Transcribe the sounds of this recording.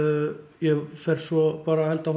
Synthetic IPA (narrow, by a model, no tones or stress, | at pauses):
jɛfɛɾ̥swɔpaːɾahɛlt̪af